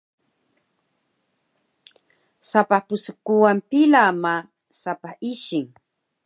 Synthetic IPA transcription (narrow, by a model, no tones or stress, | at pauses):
sapapʊsʊkʊwampɪlama | sapaʔɪʃɪŋ